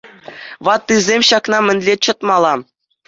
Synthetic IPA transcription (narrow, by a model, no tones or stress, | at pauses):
ʋɑt̪ːɯzʲemʲɕɑkn̪ɑmʲɘ̆nʲlʲet͡ɕɤ̆t̪mɑlˠɑ